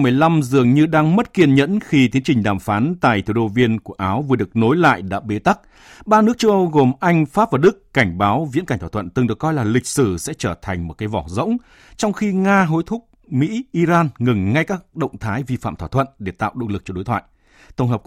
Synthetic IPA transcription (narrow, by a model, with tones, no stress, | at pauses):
mɨ˨˩əjla˧mzɨ˨˩əŋɲɨ˧ɗaː˧ŋmə˦˥t̚ki˧ənɲə̰˧˥nxi˧t̪i˨˦ənt͡ɕï˨˩ŋ̟ɗaː˨˩mfaː˨˦nt̪a̰ː˧˨jt̪ʰu˧˩ɗo˧vi˧ənku˧˩əʔaː˨˦wvɨ˨˩əɗɨ˨˩ək̚no˨˦jla̰ː˧˨jɗa̰ː˧˥ɓe˨˦t̪a˦˥k̚ | ɓaː˧nɨ˦˥ək̚t͡ɕə˧wʔə˧wɣo˨˩mʔa˧jŋ̟faː˦˥p̚vaː˨˩ɗɨ˦˥kːa˧˩jŋ̟ɓaː˨˦wvḭ˧˥nka˧˩ŋt̪ʰwaː˧˩wə̰˧˨nt̪ɨ˨˩ŋɗɨ˨˩əkːɔ˧jlaː˨˩lï˨˩k̟̚sɨ˧˩sɛ̰˧˥t͡ɕəː˧˩t̪ʰa˨˩jŋ̟mo˨˩kaː˨˦jvɔ˧˩zə̰˧˥wŋ͡m | t͡ɕɔ˧wŋ͡mxi˧ŋaː˧ɦo˨˦jt̪ʰʊ˦˥k͡p̚ | mḭ˧˥ʔi˧zaː˧nŋɨ˨˩ŋŋa˧jkaː˦˥k̚ɗə̰˧˨wŋ͡mt̪ʰaː˨˦jvi˧fa̰ː˧˨mt̪ʰwaː˧˩t̪ʰwə̰˧˨nɗe˧˩t̪a̰ː˧˨wɗo̰˧˨lɨ˨˩k̚t͡ɕɔ˧ɗo˨˦jt̪ʰwa̰ː˧˨j | t̪ʰə˧wŋ͡mɦəː˨˩p̚